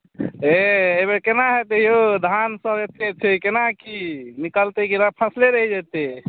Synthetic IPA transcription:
eebekenaɦɛt̪eɦjod̪ʱansəbet̪ʰet͡ʃʰɛkenakinikəlt̪ekiɾapʰə̃sleɾəɦid͡ʒat̪e

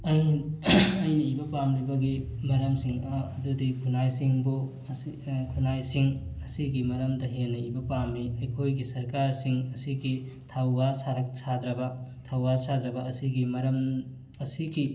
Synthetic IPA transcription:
ɐj | ɐjniibɐpamɾibɐɡimɐɾɐmsiŋɐːdudikʰunajsiŋbu | kʰunajsiŋɐsiɡimɐɾɐmdɐɦenːɐibɐpamːiɐjkʰojɡisɐɾkaɾsiŋɐsiɡi | tʰawːasaɾɐk̚sad̪ɾɐbɐtʰawːasad̪ɾɐbɐːsiɡimɐɾɐm | ɐsiɡi

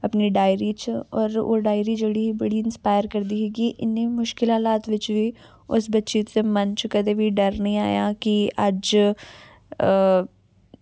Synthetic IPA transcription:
əpniːɖaːɪɾiːt͡ʃɔːɾo̰ːɖaːɪɾiːd͡ʒeːɽiːɦiːbəɽiːɪnspaːjəɾkəɾd̪iːɦɛːɡiːʔɪnːẽːmʊʃkɪlaːlaːt̪ʋɪt͡ʃʋiː | ʊ̰sbətːʃiːt̪eːmənt͡ʃkəd̪eːʋiːɖəɾnĩːa̰ːjaːkiʔəd͡ʒ

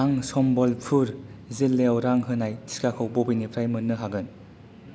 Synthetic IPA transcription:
aŋsɔmbɔlpʰɯɾzilːeɔwɾaŋɦɯnaji̥kakʰɯwbɔbinipʰɾajmɯnːɯɦaɡɯn

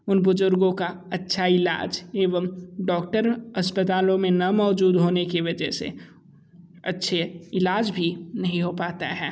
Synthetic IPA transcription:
ʊnbʊzʊɾɡõka | ɐtːʃʰaɪla̰ːd͡ʒeːʋəmɖɔːkʈəɾɐspət̪aːlõmẽnɐmɔːd͡ʒuːd̪ɦoːnekeʋɐd͡ʒɛɦsḛ | ɐ̰tːʃʰeɪlaːd͡ʒbʱinɐɦĩɦopaːt̪a̰ɦɛː

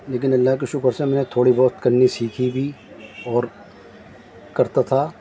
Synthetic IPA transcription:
leːk̬ɪnɐlːaɦk̬iʃʊkəɾsẽmɛ̃ːnet̪ʰoːɽibɔːt̪kɐɾnisiːkʰibʱi | ɔːɾ | kɐɾt̪at̪ʰaː

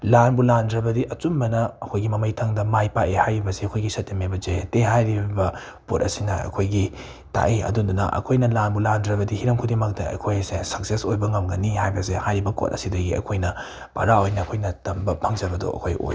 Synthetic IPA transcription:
lanbulandɾɐbɐdiʔɐt͡ʃumbɐnɐɐkʰojɡimɐmɐjtʰɐŋdɐmajpaʔehajɾibɐseɐkʰojɡisɐtːimebɐzeteɦajɾibɐ | pot̚ɐsinɐɐ̰kʰojɡi | ta̰ʔiɐ̰dundunɐ̰ʔɐ̰kʰojnɐlanbulandɾɐbɐdihiɾɐmkʰudimɐk̚tɐɐ̰kʰojsesɐk̚sesojbɐŋɐmɡɐnihajbɐsehajɾibɐko̰t̚ɐ̰sidɐɡiɐ̰kʰojnɐ | pɐ̰ɾaojnɐːkʰojnɐtɐmbɐpʰɐŋd͡ʒɐbɐdo̰ɐ̰kʰo̰jʔo̰j

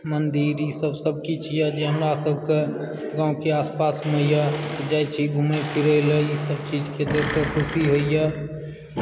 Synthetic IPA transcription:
mənd̪iːɾisəbsəb̚kit͡ʃʰijəd͡ʒeɦnasəbʱke | ɡãːũkeaːspaːsmẽjəd͡ʒajt͡ʃʰiɡʱumepʰiɾələisəbt͡ʃid͡ʒket̪ekəkʰʊsiɦoijə

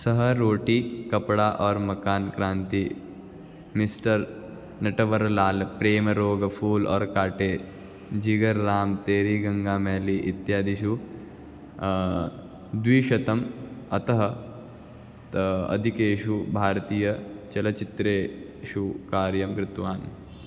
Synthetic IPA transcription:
sɐɦɐɾoːʈiːkɐpɽaːʔɔːɾmɐkaːnkɾãːnt̪i | misʈɐɾ | nɐʈɐʋɐɾlaːlpɾeːmɾoːɡpʰuːlɔ̰ːɾkaːʈeː | d͡ʒiɡɐɾːaːmt̪eːɾiːɡɐ̃ŋɡaːmɛːliʔit̪jaːd̪iʃu | d̪ʋiːʃɐt̪ɐmɐt̪ɐɦɐ | ɐ̰d̪ʱikeːʃubʱaːɾt̪iːjɐt͡ʃɐlɐt͡ʃit̪ɾeː | ʃukaːɾjɐmkɾɪt̪ʋaːn

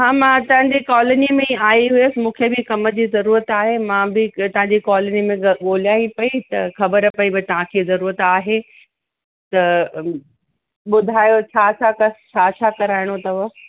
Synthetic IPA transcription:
ɦãːmãt̪ɐʋɦə̃ɲ̆d͡ʑekɔːlənimẽaːiɦʊesɪmũːkʰebɪkɐməd͡ʑiːzɐɾuːɾət̪aːɦemãbɪt̪ɐ̃ɦãɲd͡ʑikɔːlnimẽɠoːljaːipɐit̪ɐxɐbəɾəpɐibɪt̪ɐʋ̤ãkʰeːzɐɾuːɾət̪aːɦe | t̪ɐ | ɓʊd̪ʱaːjot͡ɕʰaːt͡ɕʰaːkɐst͡ɕʰaːt͡ɕʰaːkɐɾaːɪɽ̃ot̪ɐʋə

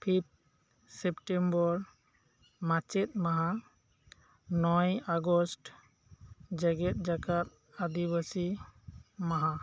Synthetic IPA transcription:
pʰip̚ | sepʈembɔɾ | mãt͡ʃɛt̪̚maɦã | nɔjaɡɔsʈ | d͡ʒaɡɛt̪̚d͡ʒakat̪̚ | ad̪ibasi | maɦã

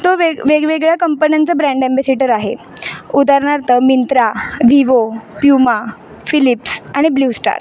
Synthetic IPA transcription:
t̪oʋeʋeɡʋeɡɭjakəmpənjant͡səbɾãɳɖembæseʈəɾaɦḛ | ud̪ʱaɾɳaɾt̪əmint̪ɾaʋiʋopjuma | filipsaɽ̃ibluːsʈa̰ɾ

